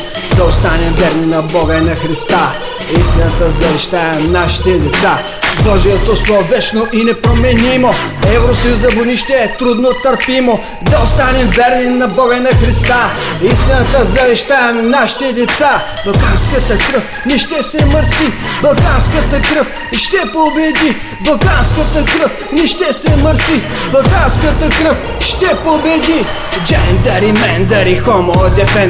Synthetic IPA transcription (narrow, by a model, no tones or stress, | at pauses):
d̪ɐost̪anɛmvɛɾninɐbɔɡɐinɐxɾist̪a | ist̪inɐt̪əzɐvɛʃt̪aɛnaʃi̥t̪ɛd̪ɛt̪sa | bɔʒijət̪oslˠovɛt͡ʃnoʔinɛpɾomɛnimoɛvɾosɐjuzɐboniʃt̪ɛːt̪ɾud̪not̪ɐɾpimo | d̪ɐost̪anɛmvɛɾninɐbɔɡəinɐxɾist̪aist̪inət̪əzɐvɛʃt̪aɛmnaʃi̥t̪ɛd̪ɛt̪sa | b̥ɐlˠkanskət̪əkɾəf | nɛʃt̪ɛsɛməɾsibɐlˠkanskət̪əkɾəf | ʃt̪ɛpobɛd̪i | bɐlˠkanskət̪əkɾəf | nɛʃt̪ɛsɛməɾsi | bɐlˠkanskət̪əkɾəf | ʃt̪ɛpobɛd̪i | d͡ʒɛnd̪ɐɾimɛnd̪ɐɾixɔmolɐd̪ɛfɛn